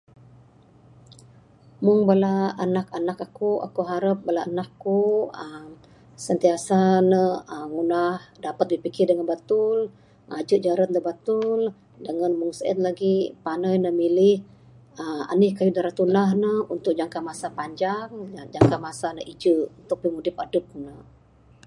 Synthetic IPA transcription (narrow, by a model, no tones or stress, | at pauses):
muŋbəlaːnakanakakua̰kuɦaɾəp̚bəlaʔənakkuəm | sənt̪iasanəəŋunahdapat̪̚dipikɪrdəŋanbat̪ʊl | ad͡ʒəʔd͡ʒaɾat̪̚d̪əbat̪ʊl | dəŋanmuŋsʔə̰nlaɡipanajnəmilɪh | əa̰nɪhkajudaɾat̪unahnəunt̪ʊk̚d͡ʒaŋkamasapaɲd͡ʒaŋd͡ʒaŋkamasanəʔid͡ʒəʔunt̪uk̚pimudɪpadəp̚nə